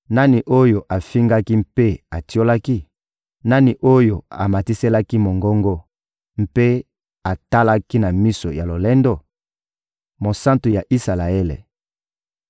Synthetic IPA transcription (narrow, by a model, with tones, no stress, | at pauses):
na˦ni˨ʔo˦jo˨ʔa˨fi˦ŋɡa˦ki˦mpe˦a˨ti˦o˦la˦ki˦ | na˦ni˨ʔo˦jo˨a̰˨ma˨ti˦se˦la˦ki˦mo˨ŋɡɔ˦ŋɡɔ˦ | m̩pe˦ | a˨ta˦la˦ki˦na˨mi˦so̰˨ja˨lo˨lɛ˦ndo˦ | mo˨sa˦ntu˨ja˨ʔi˦sa˨la˨e˦lḛ˨